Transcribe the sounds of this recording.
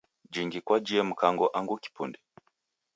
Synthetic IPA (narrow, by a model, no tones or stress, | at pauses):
d͡ʒiŋɡikwad͡ʒiɛm̩kaŋɡɔʔaŋɡuki̥pundɛ